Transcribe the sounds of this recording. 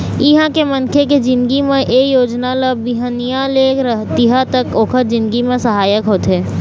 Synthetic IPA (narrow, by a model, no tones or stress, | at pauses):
ɪɦãkemɐnkʰeked͡ʒɪ̃nd̪ɡimẽʔeːjoːd͡ʒnaləbbiɦənijãleːɾəɦt̪iɦat̪ɐkoːkʰət̪̚d͡ʒɪ̃nd̪ɡimẽsəɦaːjəkɦoːt̪ɦɛː